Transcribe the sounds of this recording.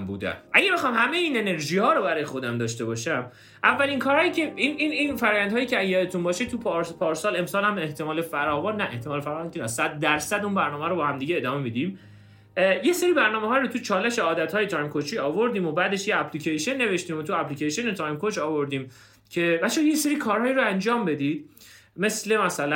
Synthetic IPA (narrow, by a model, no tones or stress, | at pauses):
mbṵːd̪æ̰nʔæɟæbexɒːmhæme̞jeiːnene̞ɾʒiːhɒːɾobæɾɒːjexo̞d̪æmd̪ɒːʃt̪e̞bɒːʃæm | ʔævːælinkʰɒːɾhɒːjiːcʰeinininfæɾɒːjænd̪ɒːjiːcʰeæzjɒd̪et̪unbɒːʃet̪ʰuɾpʰɒːɾsɒːle̞msɒːlhæme̞ht̪ʰe̞mɒːle̞fæɾɒːvɒːnːæʔeht̪ʰemɒːlefæɾɒːvɔnk̪ʰinæssæd̪ːæɾsæd̪unbæɾnɒːmehæɾobɒːhæmd̪iːɟeeːd̪ɒːme̞mid̪iːm | je̞seɾiːbæɾnɒːmeɦɒːjiɾot̪ʰut͡ʃʰɒːle̞ʃe̞ɒːd̪æt̪hɒːje̞t̪ʰɒːjmkʰot͡ʃʰiːɒːvo̞ɾd̪iːmobæːd̪eʃjeæpʰliːcʰejʃenːe̞ve̞ʃt̪iːmot̪ʰuæplicejʃonet̪ʰɒːjmkot͡ʃɒːvo̞ɾd̪iːm | cʰe̞væʃojeseɾiːkʰɒːɾhɒːiːɾoænd͡ʒɒːmbe̞d̪iːd̪̥me̞sle̞mæsælæ